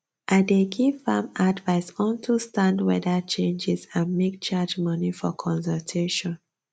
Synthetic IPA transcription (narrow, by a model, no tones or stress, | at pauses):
ʔaɪdeɡivãmadvaɪsɔ̃ntʰustãndwɛ̰dət͡ʃẽnd͡ʒizãnmek̚t͡ʃad͡ʒmʌnifɔ̰kʰɔ̃ns̬ɔltʰeʃɔ̃n